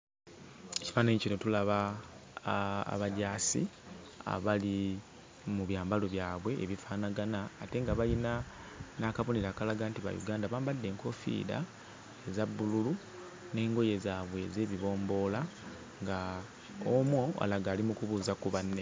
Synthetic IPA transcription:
eci̥faːnaɲecino̞tulaβa | a̰βaɟaːsḭ | a̰βali | muβjaːmbalo̞βjaːβwe̞ʔːβifaːnaɡanaːte̞ŋɡaβalina | naːkaβoniɾaːkalaɡantiβa̰jṵɡaːndaβaːmbadːe̞ːŋko̞fḭːda̰ | ezabːululu | ne̞ːŋɡo̞je̞zaːβwe̞ze̞ːβiβo̞ːmbo̞ːla | ŋɡa | omwo̞a̰laɡaːlimukuβuːzakuβanːe

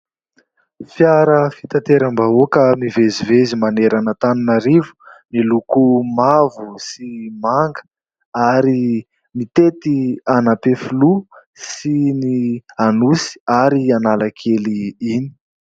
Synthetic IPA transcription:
fjaɾəfi̥t̪at̪eɾambaokəmivezivezimaneɾanət̪aninaɾivu̥milukumavusimaŋɡə̥ | aɾi | mit̪et̪ianapefulu | sinianusi̥aɾianalakʰeliini̥

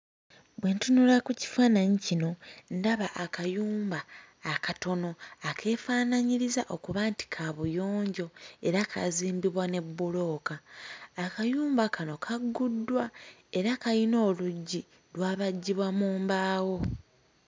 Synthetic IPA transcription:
βwe̞ntunulakuci̥faːnaɲicino̞ndaβaʔakajuːmbaː | kato̞no̞akʰe̞ːfaːnaɲiɾizaʔo̞kuβaːnti̥kʰaβujo̞ːɲɟo̞e̞ɾakʰa̰ziːmbiβwane̞bːulo̞ːkaː | kajuːmbakano̞kʰaɡːudːwae̞ɾakaino̞ːluɟːi | lwaːβaɟːiβwamuːmbaːwo̞

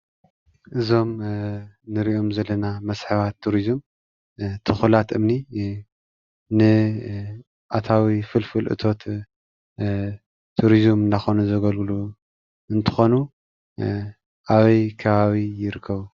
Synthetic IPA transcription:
ʔɨzo̞m | nɨɾiʔo̞mzɐlːɐnamɐsħɨβat̪ʰːuɾizɨm | t̪ʰɨxulat̪ɨmni | nɨ | ʔat̪ʰawifɨlfɨlʔɨ̰t̪ʰo̞t̪ | t̪ʰːuɾizɨmɨndaxonuzɐɡɐlɡlu | ɨnt̪ʰɨ̥xo̞nu | ʔaβɐjkʰɐβaβijɪɾɨkʰːɐβu

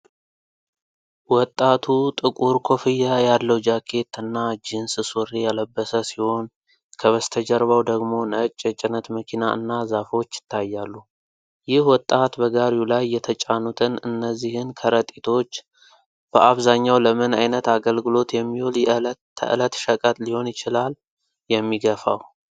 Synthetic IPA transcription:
wɔt̪ʼːat̪ʰut̪ʼɨkʼuɾkʰo̞fɨjajalːəwd͡ʒakʰːe̞t̪ɨnːad͡ʒɪnsɨsorejɛləbːəsəsiho̞n | kʰəβəst̪ʰəd͡ʒəɾβawd̪əɡmo̞nət͡ʃʼːət͡ʃʼɪnət̪məkʰinaɨ̰nːazafo̞t͡ʃːɪ̥t̪ʰːajːalːu | jɪhwɔt̪ʼːat̪bəɡaɾiulajːɛt̪ʰət͡ʃʼanut̪ʰɨnɨnːəzːihɨnkʰəɾət̪ʼit̪ʰo̞t͡ʃː | b̥əʔaβzaɲːawləmənajnət̪aɡəlɡɨlo̞t̪jɛmːiholʰ | ə̰ʔɨlət̪ʃəkʼət̪liho̞njɪt͡ʃɪlal | jɛmːiɡəfa̰w

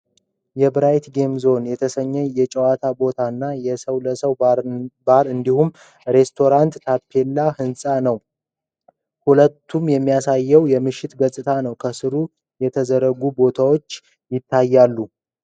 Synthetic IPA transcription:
jɛbɨɾajt̪ɡe̞mzo̞njɛt̪ʰəsəɲːɛjɛt͡ʃʼəwat̪ʰabo̞t̪ʰanːajɛsəwləsəwbaɾɨnd̪ihum | ɾe̞st̪ʰo̞ɾant̪ːʰapʰːe̞lːahɨnsʼanəw | hulət̪ːumjɛmːijasajːɛwjɛmɨʃːɪt̪ɡəsʼɨt̪ʰanəwkʰəsɨɾu | jɛt̪ʰəzəɾəɡubo̞t̪ʰawo̞t͡ʃː | jɪt̪ʰːajːalːu

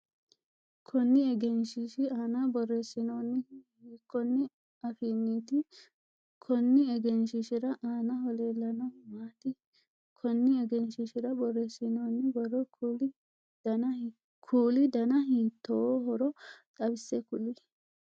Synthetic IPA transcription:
kʰɔnːɪɛɡɛnʃɪʃɪaːnabɔrːɛsɪnoːnːɪ | kːɔnːɪ | ɐfiːnːiːt̪ɪ | kʰɔnːɪɛɡɛnʃɪʃɪɾɐʔaːnɐhɔleːlːɐnɐmaːt̪ɪ | kʰɔnːɪɛɡɛnʃɪʃɪɾɐbɔrːɛsɪnoːnːɪbɐrːɔl | kʰuːlɪd̪ɐnɐɦiːt̪ːɔɦɔɾɔtʼɐbɪsːɛkʊlɪ

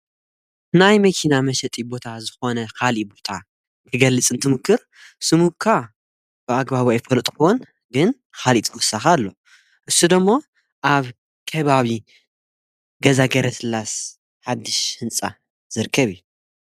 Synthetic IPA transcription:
najmɐkʰinamɐʃɛt̪ʼibo̞t̪ʰazɨxo̞nɐkʰalibo̞t̪ʰa | kʰɨɡɐlːɨt͡sʼɨnt̪ʰɨmɨkʰːɨɾ | sɨmuβkʰa | b̥ɨaɡbaβojfɐlt̪ʼxon | ɡɨn | xalit̪ʼɡɔsaxalːo̞ | ʔɨsːud̪ɐmːo | ʔaβ | kʰɐβaβi | ɡɐzaɡɐɾɐsʰɨlas | ħad̪ːɨʃhɨnt͡sʼa | z̥ɨɾkʰːɐβiju

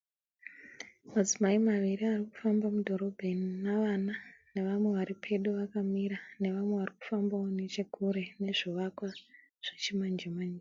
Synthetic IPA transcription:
mad͡zimaimaʋiriariku̥fambamudʱo̞ɾo̞bʱennaʋanane̞ʋamwe̞ʋaɾipʰe̞ɗuʋakamiɾane̞ʋamwe̞ʋariku̥fambaone̞t͡ʃeɡʱuɾe̞ne̞ʐoʋakwa | ʐ̥et͡ʃimand͡ʒemaɲi

